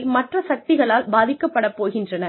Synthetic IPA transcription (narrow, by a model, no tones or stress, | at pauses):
lmɐʈrɐsɐk̚t̪ɪɣɐɭaːlbaːðɪkːɐpːɐɽɐpːoːɣɪndrɐnɐ